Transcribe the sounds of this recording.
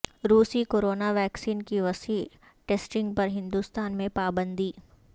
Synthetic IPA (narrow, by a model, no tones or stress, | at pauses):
ɾuːsikoːɾoːnaʋɛːksiːnkiʋɐsiː | ʈeːsʈɪ̃ŋɡ̚pɐɾɦɪ̃nd̪uːst̪aːnmẽpaːbə̃nd̪iː